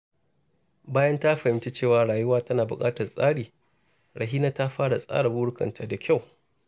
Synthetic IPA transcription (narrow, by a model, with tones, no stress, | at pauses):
baː˦jɐ˦nta˦ɸɐ˨hɪ˨mt͡ʃe˦t͡ʃeː˦˨waː˨ɽaː˨jʊ˦waː˦tɐ˦naː˨bʊ˨kʼaː˦tɐ˨rsʼaː˦ɽiː˨ | ɽɐ˨ɦiː˦na˦ta˦ɸaː˦ɽa˨sʼa̰ː˦ɽa˨bʊː˦ɽʊ˦kɐ̰˨ntʰa˨da˨kʲa˦˨w